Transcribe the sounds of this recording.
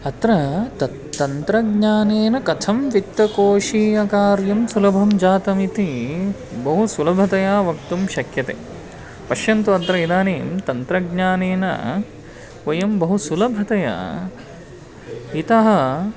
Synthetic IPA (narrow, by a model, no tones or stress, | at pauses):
ɐt̪ɾɐ | t̪ɐnt̪ɾɐɡɲaːneːnɐkɐt̪ʰɐmʋit̪ːɐkoːʃiːɐkaːɾjɐmsulɐbʱɐmd͡ʒaːt̪ɐmit̪i | bɐɦusulɐbʱɐt̪ɐjaːʋɐkt̪umʃɐkjɐt̪ḛː | pɐʃjɐnt̪uɐt̪ɾɐid̪aːneːmt̪ɐnt̪ɾɐɡɲaːneːnɐ̰ | kʋɐjɐmbɐɦusulɐbʱɐt̪ɐja̰ | it̪ɐɦɐ̆